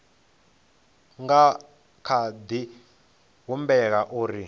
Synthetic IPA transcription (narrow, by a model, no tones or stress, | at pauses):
ŋɡa | kʰad̪i | ɦumbɛkaʔuːɾi